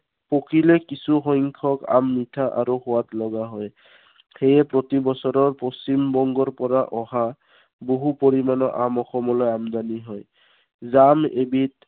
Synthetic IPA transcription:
pokʰilɛkisuxɔjŋkʰɔka̰mːitʰaʔa̰ɹuxʊwatlɔɡaɦɔj | xejɛpɹotibɔsɔɹɔɹpost͡ɕimbɔŋɡɔɹpɔɹaʔɔɦa | boɦupoɹimanɔʔamɔxɔmɔlɔjamdaniɦɔj | zamebit

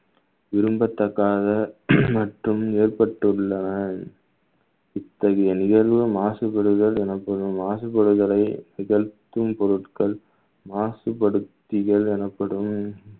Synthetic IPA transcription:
ʋɪɾɯmbɐt̪ːɐkːaːðɐmɐʈrɯmeːrpɐʈːɯɭːɐnɐ | ɪt̪ːɐɣɐjɐnɪɣɐlʋɐmaːsɯpɐɽɯɣɐɭɛnɐpːɐɽɯmːaːsɯpːɐɽɯɣɐɭɐɪnɪɣɐɻt̪ːɯmpɔɾɯʈkɐɭ | maːsɯpɐɽɯt̪ːɪɣɐɭɛnɐpːɐɽɯm

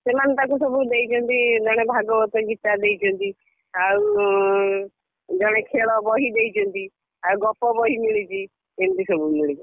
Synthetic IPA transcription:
semant̪akusɔbud̪ejt͡ʃʰɔnt̪id͡ʒɔɽ̃ebʱaɡɔbɔt̪ɔɡit̪ad̪ejt͡ʃʰɔnt̪i | au | d͡ʒɔɽ̃ekʰeɭɔbɔɦid̪ejt͡ʃʰɔnt̪i | awɡɔpɔbɔɦimiɭit͡ʃʰi | ent̪isɔbumiɭit͡ʃi

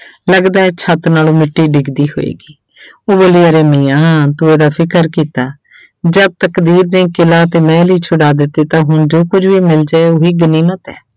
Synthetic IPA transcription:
ləɡd̪aːɛːt͡ʃʰət̪naːloːmɪʈːiːɖɪɡd̪iːɦo̰ːḛːɡiː | oːbəliːəɾeːmiːãːt̪ʊːeːd̪aːpʰɪkəɾkiːt̪aː | d͡ʒəb̚t̪əkd̪iːɾnẽːkɪlaːt̪eːmɛ̃ːliːt͡ʃʰʊɽaːd̪ɪt̪ːeːt̪ãːɦʊnd͡ʒoːkʊd͡ʒʋiːmɪld͡ʒaːeːoːɦiːɡəniːmət̪ɛ̰ː

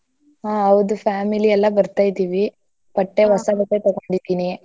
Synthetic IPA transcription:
ɦaːɐʋd̪upʰaːmiliɛlːɐbɐɾt̪aːjd̪iːʋi | pɐʈːe̞ʋɐsɐbɐʈːet̪ɔɡoɳɖid̪iːni

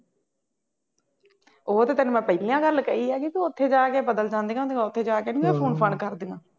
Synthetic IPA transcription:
oːt̪eːt̪enũːmɛ̃ːpəːlijãːɡəlkəiːɛːkokiʊt̪ʰːeːd͡ʒaːkeːbəd̪əld͡ʒãːnd̪eːɡãːd̪eːŋaːʊt̪ʰːeːd͡ʒaːkeːnĩɛ̃ːpʰoːnpʰəɳkəɾd̪ĩːɡãː

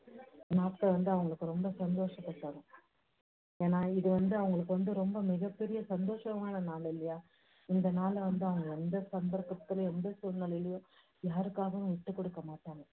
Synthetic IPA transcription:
naːpkːɐʋɐnd̪ɯɐʋɐŋɡɐɭɯkːɯɾɔmbɐsɐnd̪oːʂɐpːɐʈːɐɽʊ̃ | eːnaːɪðɯʋɐnd̪ɯɐʋɐŋɡɐɭɯkːɯʋɐnd̪ɯɾɔmbɐmɪɣɐpːɛɾɪjɐsɐnd̪oːʂɐmaːnɐnaːlɪlːɐjaː | ɪnd̪ɐnaːlɛʋɐnd̪ɯɐʋɐŋɡɐɛnd̪ɐsɐnb̪ɐɾkːɐt̪ːɯlɐɛnd̪ɐsɔlnɐlɐjɪlɐjʊ̃ | jaːɾɯkːaːɣɐʋʊ̃ʋɪʈːɯkːɔɽɯkːɐmaːʈːaːŋɡɐ

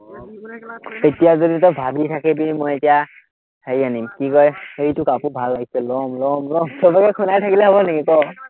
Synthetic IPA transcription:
etijazoditɔbʱabitʰakɛbimɔjetija | hejanimkikɔjejtʊkapubʱalːaɡisɛlɔmlɔmlɔmsʰɔbakɛkʰunajtʰakilɛɦɔbɔnekikɔ

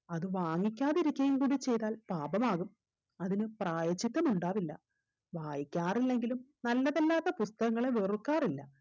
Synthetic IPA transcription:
ɐðɨʋaːŋːikʲːaːðiɾikʲːɐjumkuːɽit͡ɕːe̞jt̪aːlpaːbɐmaːɣum | ɐðinɨpraːjɐt͡ɕːit̪ːɐmuɳɖaːʋilːɐ̰ | ʋaːjikʲːaːrilːe̞ŋɡilumnɐlːɐðelːaːt̪ːɐpust̪ɐɣɐŋːɐɭe̞ʋerukːaːrilːɐ

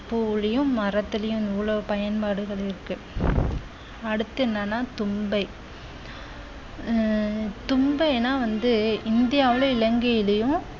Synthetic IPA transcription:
puːɭɐjɯ̃mɐɾɐt̪ːɪlɐjʊ̃nuːɭɐpɐjɐnpaːɽɯɣɐɭɪɾɯkːɯ | ɐɽɯt̪ːɯnːaːnːaːt̪ʊmbɐɪ | t̪ʊmbɐɪeːnːaːʋɐnd̪ɯɪnd̪ɪjaːʋɪɭɐɪlɐŋɡɐjɪlɐjʊ̃

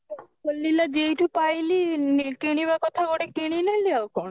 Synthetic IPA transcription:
olːilad͡ʒejʈupajlinekeɽ̃iβakɔt̪ʰaɡoɽekeɽ̃ineliaokɔn

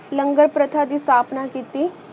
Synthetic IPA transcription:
ləŋɡəɾpɾət̪ʰad̪iːst̪ʰaːpnakiːt̪iː

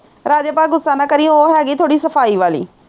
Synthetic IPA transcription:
ɾaːd͡ʒaːpaːlɡʊsaːnãːkəɾiːoɦɛːɡiːt̪ʰoːɽiːsəpʰaːiːʋaːlḭː

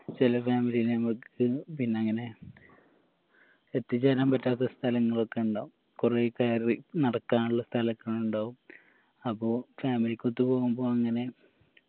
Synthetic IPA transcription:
t͡ɕilɐfaːmilijilenɐmukːɨpinːe̞ɐŋːɐne̞ | et̪ːit͡ɕːaɾaːmpɐtːaːt̪̬ːɐst̪ʰɐlɐŋːɐɭo̞kːe̞uɳɖoːum | kurekaːɾinɐɽɐkːaːnuɭːɐst̪ʰɐlɐkːɐɭuɳɖaːʋum | ɐpːoːfaːmilikʲːot̪ːɨpo̞ːɣumbo̞ːɐŋːɐne̞

